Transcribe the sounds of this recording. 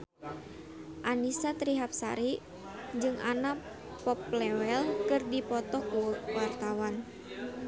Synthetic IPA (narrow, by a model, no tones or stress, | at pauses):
ʔanisat̪ɾiɦap̚sa̰ɾi | d͡ʒɨŋa̰na | pɔplɛwɛlkɨrdipɔt̪ɔkuwart̪awan